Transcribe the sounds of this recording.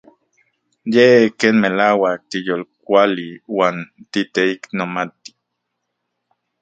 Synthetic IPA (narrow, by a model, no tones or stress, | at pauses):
jekeːnmelaːwak̚t̪ijolk̚ʷaliwaːnt̪it̪eiknomat̪i̥